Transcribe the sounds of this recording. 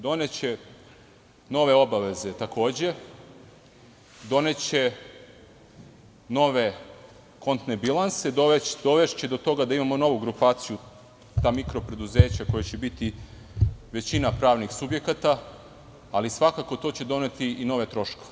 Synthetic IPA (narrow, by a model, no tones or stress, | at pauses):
d̪o̞net͡ɕe | no̞ʋe̞o̞baʋe̞ze̞t̪ako̞ːd͡ʑe̞ | d̪o̞ne̞t͡ɕe | no̞ʋe̞ | ko̞nt̪nebilˠansed̪oʋed̪o̞ʋe̞ʃt͡ɕed̪o̞t̪o̞ɡad̪aimamo̞no̞ʋuɡɾupaːt̪siju | t̪aːmikɾo̞pɾe̞d̪uze̞ːt͡ɕako̞jat͡ɕe̞bit̪i | ʋe̞t͡ɕinapɾaːʋnixsubje̞kat̪aː | lisʋakako̞t̪o̞ːt͡ɕe̞d̪o̞ne̞t̪iino̞ʋe̞t̪ɾo̞ʃkoe